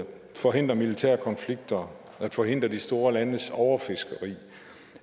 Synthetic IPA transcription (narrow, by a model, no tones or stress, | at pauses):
fɒ̽ɦe̝n̰d̥ʁɐmilit͡sʰæɐkʰɒ̽nfliɡ̥̚d̥ɐ | æ̥fɒ̽ɦe̝n̰d̥ʁɐd̥isd̥o̝ːɐlænəsɒʊɐfe̝sɡ̥əʁḭː